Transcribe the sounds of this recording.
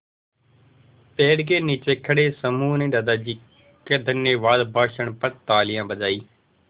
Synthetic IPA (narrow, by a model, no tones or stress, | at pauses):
peːɽɡeːniːt͡ʃeːkʰəɽeːsəmuːnẽːd̪aːd̪aːd͡ʒiː | keːd̪ənjeːʋaːd̪bʱaːʃəɳpət̪aːlɪjãːbəd͡ʒaːiː